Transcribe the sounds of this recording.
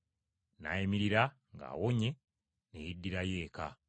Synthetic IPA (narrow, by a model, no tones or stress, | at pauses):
na̰imiɾiɾa | ŋɡa̰ːwoɲe̞ | nejidːiɾaje̞ːka